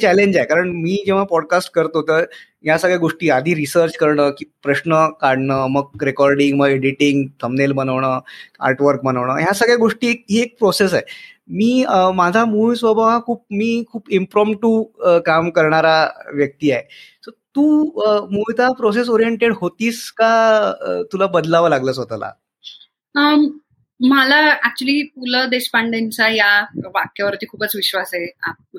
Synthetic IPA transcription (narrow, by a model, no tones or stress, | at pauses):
t͡ɕɛleɲd͡ʑaɦekaɾəɳmiːd͡ʑeʋ̤apɔɽkasʈkəɾt̪oɦot̪əː | ɦjasəɡɭjaɡoʂʈiːad̪ʱiːɾisəɾt͡ɕkəɾɳəkiːpɾəɕnəkaɽɳəməɡ̚ɾekɔɾɖiŋɡməɡeɽiʈiŋɡt̪ʰəmnelbənəʋɳəa̰ɾʈʋəɾk̚bənəʋɳəɦjasəɡɭjaɡoʂʈiːek̚ɦiek̚pɾosesaɦemiːmad͡zʱamusʋəbʱaakʰuːp̚miːkʰuːpimpɾɔmʈuəkamkəɾɳaɾaʋjək̚t̪iːaɦet̪əɾt̪uːmut͡sapɾos̬es̬oɾijeɳʈeɽɦot̪iːska | t̪ulabəd̪laʋəlaɡləːt͡sɦot̪ala̰ | ə | malaæk̚t͡ɕuəliːpuləd̪espaɳɖent͡sajaʋakːjaʋəɾt̪iːkʰuːpət͡sʋiɕʋasaea̰ | u